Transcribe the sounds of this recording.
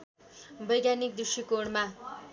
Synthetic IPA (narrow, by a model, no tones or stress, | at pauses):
bʌjɡjanik̚d̪usikoɽma